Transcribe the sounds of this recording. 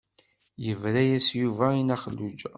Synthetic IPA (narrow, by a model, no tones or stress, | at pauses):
jəvɾæjæsjuvæinæχəlːud͡ʒ